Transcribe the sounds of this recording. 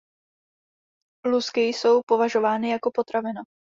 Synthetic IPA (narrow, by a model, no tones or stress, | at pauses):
luskɪjso̞wpo̞vaʒo̞vaːnɪjako̞po̞t̪ɾavɪno